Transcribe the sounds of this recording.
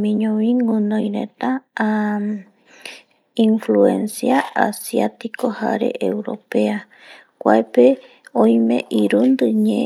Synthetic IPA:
mĩɲõʋĩŋɡunõjɾe̞̰t̪a | ĩɱfluensjaa̰sjat̪iko̞ha̰ɾe̞̰ʔewɾo̞̰pea | kʷa̰epe | õj̃mḛ̃ʔiɾund̪ɨɲẽ

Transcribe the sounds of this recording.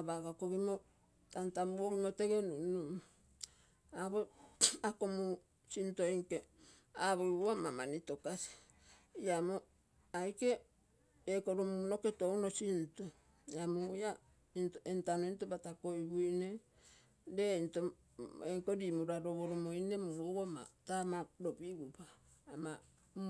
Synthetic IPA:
abaɡakoɡimo | tantamuoɡimoteɡe̞nunu | aβoakomu | sintoiŋke | aβojuamamanito̞kasi̥ | iamo | ajke̞ | ekoɾomuno̞ketownosinto | amuja | intentanointobatakojbuine | dento | eŋkoɾimuɾaɾoβoɾomoinemuowama̰tamaɾobiβupaː | ma

